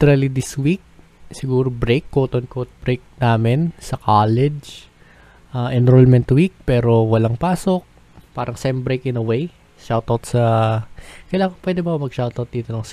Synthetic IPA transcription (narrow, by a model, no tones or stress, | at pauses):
t̪ɛɾɐlid̪ɪswik̚ | sɪɡuːɾobɾejkːoːt̪onkowt̪̚b̥ɾejk̚naːmɪnsɐkʰaːlɛd͡ʒ | ʔaʔɛnɾolmɛnt̪wik̚pɛːɾo̞wɐlaŋpaːsok̚ | paːɾɐŋsɛmbɾejkɪnɐwej | ʃawt̪ɐwt̪̚sɐ | kɐjlaːŋkɐpwɛd̪ɛbɐkɐmɐɡ̚ʃawt̪ɐwt̪̚d̪iːt̪onɐŋs